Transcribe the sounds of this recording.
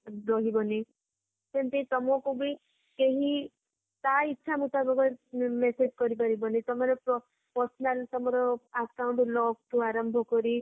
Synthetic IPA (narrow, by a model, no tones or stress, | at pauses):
ɾɔɦibɔni | sent̪it̪ɔmɔkubi | keɦi | t̪aitːʃʰamut̪abɔkɔmesed͡ʒkɔɾip̬aɾibɔnet̪ɔmɔɾepɔ | pɔɾsɔnalt̪ɔmɔɾɔaskawɳʈlɔk̚t̪uaɾɔmbʱɔkɔɾi